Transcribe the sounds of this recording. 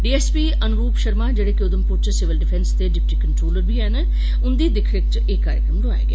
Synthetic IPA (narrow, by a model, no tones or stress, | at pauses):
ɖiːɛːspiːʔənɡuːpʃəɾmaːd͡ʒeːɽeːkɪod̪əmpʊɾt͡ʃsɪʋəlɖɪpʰɛ̃nst̪eːɖɪp̚ʈiːkəɳʈɾoːləɾbʱiːɦɛn | ʊnd̪iːd̪ɪkʰɾɪk̚ʈ | eːkːaːɾjəkɾəmɖoaḛ̃ːɡḛː